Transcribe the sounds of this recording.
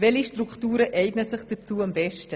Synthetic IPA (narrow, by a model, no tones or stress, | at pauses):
vɛliʃtɾukʰtuːɾəʔɛɪɡnəsɪχd̥ət͡suːambɛʃtə